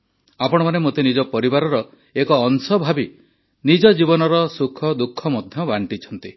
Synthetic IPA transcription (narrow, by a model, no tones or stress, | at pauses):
apɔɽ̃ɔmanemot̪enid͡ʒɔpɔɾibaɾɔɾɔ | ekɔːnsɔbʱabi | nid͡ʒɔd͡ʒibɔnɔɾɔsukʰːɔd̪ukʰːɔmɔd̪ʱjɔbaɳʈit͡ʃʰɔnt̪i